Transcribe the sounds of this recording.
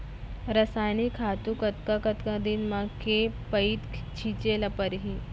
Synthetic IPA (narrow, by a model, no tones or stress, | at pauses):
ɾəsajnikʰat̪ukət̪kakət̪kad̪inmakepəiːt̪t͡ɕʰit͡ɕelapəɾɦi